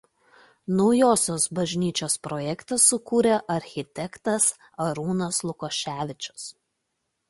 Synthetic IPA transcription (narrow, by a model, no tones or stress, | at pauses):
nɔʊjoːsʲoːsbɐʒʲnʲiːt͡ʃʲoːspɾojɛkt̪ɐsːʊkuːɾʲeʔɐɾʲxʲɪt̪ʲɛkt̪ɐs | ɐɾuːnɐslˠʊkoːʃʲæːʋʲɪt͡ʃʲʊ̥s